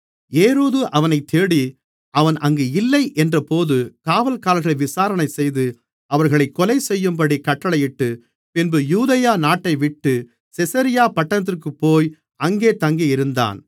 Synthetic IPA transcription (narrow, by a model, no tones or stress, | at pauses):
eːɾoːðɯʔɐʋɐnɐɪt̪ʰːeːɽi | ʔɐʋɐnʔɐŋɡeːɪlːɐɪʔɛndrɐpoːðɯkaːʋɐlkaːlɐɣɐɭɐʋɪsaːɾɐnɐɪsɛjðɯ | ʔɐʋɐɾɣɐɭɐɪkːɔlɐɪsɛjːɯmpɐɽikɐʈːɐɭɐjɪʈːɯ | pɪnbɯjuːðɐjaːnaːʈːɐɪʋɪʈːɯ | sɪsɐɾɪjaːpɐʈːɐnɐt̪̬ːɪrk̬ɯpːoːj | ɐŋɡeːt̪ɐŋɡiɪɾɯnd̪a̰ːn